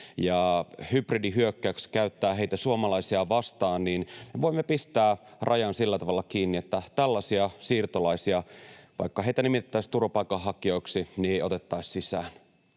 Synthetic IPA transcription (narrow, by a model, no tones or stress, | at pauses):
jɑhypridiɦyøkːækskæyt̪ːæːɦeit̪æsuomɑlɑisiɑʋɑst̪ɑːnniːnmeʋo̞imːepist̪æːrʔɑjɑnsilːæt̪ɑʋɑlːɑkiːnːiet̪ːæt̪ælːɑsiɑsiːrt̪olɑisiɑʋɑ̰ikːɑɦeit̪ænimit̪et̪ːæist̪uropɑikɑɦɑkio̞iksinieo̞t̪et̪ːɑissisæːn